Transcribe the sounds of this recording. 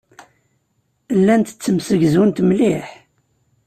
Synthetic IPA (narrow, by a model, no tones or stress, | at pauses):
lːænt̪ə̥t͡sːəmsəɡzunt̪mliħ